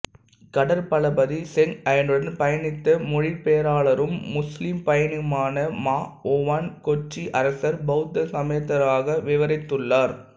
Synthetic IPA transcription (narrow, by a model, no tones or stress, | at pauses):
kɐɽɐɾpɐɭɐbɐðisɛŋɐjɪndɯɽɐnpɐjɐnɪt̪ːɐmʊɻɪpejɐɾaːɭɐɾɯmːʊslimpɐjɐnɪmaːnɐmaːɔːʋaːnkɔt͡ʃːiʔɐɾɐsɐɾbɐɯt̪ːɐsɐmɐjɐt̪ːɐɾaːɣɐʋɪʋɐɾɐɪt̪ːɯɭːaːɾ